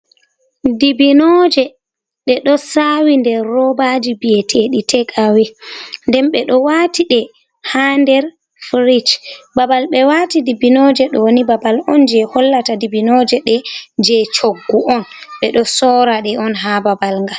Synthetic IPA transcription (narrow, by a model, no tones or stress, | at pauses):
dibinɔd͡ʒɛ | ɗɛɗɔsawindɛːɔbad͡ʒibijɛtʰeɗitʰɛkʰawɛndɛnɓɛɗɔwatiɗɛ | handɛɾ | fɾit͡ʃbabalɓɛwatidibinɔd͡ʒɛɗɔwnibabalɔnd͡ʒɛhɔlːatadibinɔd͡ʒɛɗɛd͡ʒɛt͡ʃoɡːuʔɔnɓɛɗɔsɔɾaɗɛɔnɦababalŋɡa